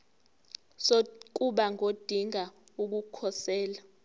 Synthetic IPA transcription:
sok̬uɓaŋod̥ʱiŋa | uk̬ukʰɔsɛːla

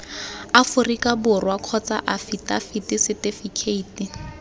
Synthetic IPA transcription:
afʊrikabʊrwakʰɔt͡sa̰ʔafitʼafitisɪtɪfikʰeiːti

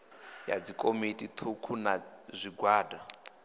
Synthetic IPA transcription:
ja̰d͡zikʼomitʼit̪ʰukʰunazʷiɡwaːda

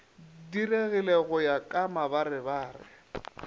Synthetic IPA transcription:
direɣɪleɣʊjakʼamabarɪbaːrɪ̰

